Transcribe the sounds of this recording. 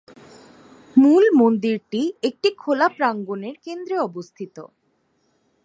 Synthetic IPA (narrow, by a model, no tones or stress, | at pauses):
mulmond̪iɾʈiek̚ʈikʰolapɾaŋɡoneɾkend̪ɾeɔbost̪ʰit̪o̰